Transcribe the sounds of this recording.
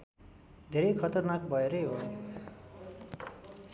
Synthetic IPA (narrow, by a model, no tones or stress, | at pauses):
d̪ʱeɾʌjkʰʌt̪ʌrnakbʱʌeɾʌjɦo